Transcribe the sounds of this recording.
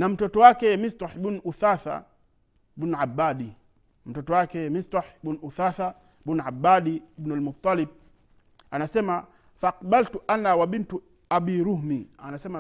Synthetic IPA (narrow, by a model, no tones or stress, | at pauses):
nam̩tɔtɔwakɛmisɾaħbunʔuθaθa̰ | bunuʕabːaɗi | m̩tɔtɔwakɛmisɾaħɓunuθaθa | bunʕabaɗiibnalmut̪ˤːɑlib̚ | anasɛma | faːqbaltuʔanawaɓintu | abiɾuhmianasɛma